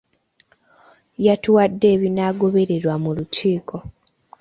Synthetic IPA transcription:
jatuwadːe̞ːβinaɡo̞βe̞ɾe̞ɾwamulutʰiːkʰo̞

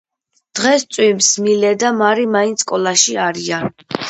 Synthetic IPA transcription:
d̪̥ʁɛst̪sʼwimsmilɛd̪amaɾimaint̪skʼɔlˠaʃiaɾian

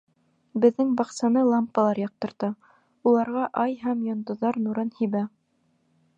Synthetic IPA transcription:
bɘ̆ðːɘŋbɑqsɑnɤlˠɑmpːɑlˠɑɾjɑq̚t̪ɤ̆ɾt̪ɑ | ulˠɑɾʁɑʔɑjɦæmjŏnd̪ŏðɑɾnuɾɤnhiβæ

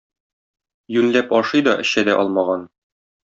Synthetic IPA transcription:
jʉnlæpɒʃɤjd̪ɒʔɘ̆ɕæd̪æʔɒlˠmɑʁɑn

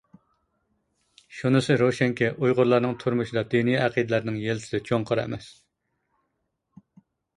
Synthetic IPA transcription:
ʃunɨsɨɾoʃɛŋkʲʰɛʔujʁʊɾlˠɑɾnɨŋt̪ʰʊɾmuʃɪd̪ɑd̪enijɛæqid̪ɪlæɾnɪŋjelɪsɪ̥d̪ɛt͡ʃʰoŋqʰəɾɛ̰mɛs

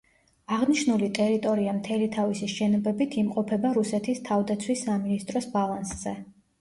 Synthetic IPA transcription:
aʁniʃnulit̪ʼɛɾit̪ʼɔɾiamt̪ʰɛlit̪ʰavisiʃɛnɔbɛbit̪ʰimqʼɔpʰɛbaɾusɛt̪ʰist̪ʰavd̪at̪sʰwisːaminist̪ʼɾɔsbalˠansz̥ɛ

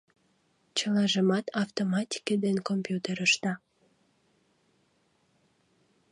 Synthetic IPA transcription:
t͡ɕəlɑʒəmɑt̪ɑft̪omɑt̪ʲi̥ked̪enkompjut̪eɾəʃt̪ɑ

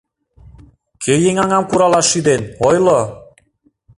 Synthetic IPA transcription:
kʰøjeŋɑŋɑmkuɾɑlɑʃyd̪enojlo

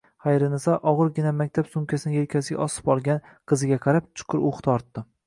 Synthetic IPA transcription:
χɑjɾɪnɪsaʔɒʁɨɾɡʲɪnamakʲt̪ʰapsʊmkʲʰasɪnɪjelkʲʰas̬ɪɡʲa̰ʔɒsɪ̥bɒlˠɡʲan | qʰɨzɪɡʲaqʰɑɾap̚t͡ʃʰʊ̥qʰʊɾoχt̪ʰɒɾt̪ːɪ

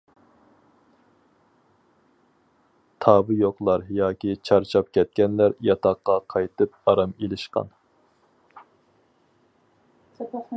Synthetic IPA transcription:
t̪ʰɑːbɨjoqlˠɑɾjɑːkʲit͡ʃʰɑɾt͡ʃʰɑp̚kʲʰɛt̪̚kʲɛnlæɾjɑt̪ʰɑqːɑqʰɑjt̪ʰɨp̚ɑɾɑmelɪʃqɑ̰n

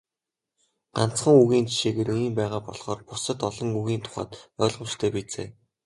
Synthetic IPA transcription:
ɢan̥t͡sχə̆ŋuɣiːnt͡ɕʰi̥ʃeːɣeːriːmpæːʁaːpɔɮχɔːrpʊsə̆t̪ɔɮɞ̆ŋuɣiːnt̪ʰʊ̥χa̰ːt̪œːɮʁɞ̆mt͡ɕt̪ʰœːpit͡sḛː

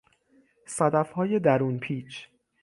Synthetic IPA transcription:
sæd̪æfhɒːje̞d̪æɾuːnpʰiːt͡ʃʰ

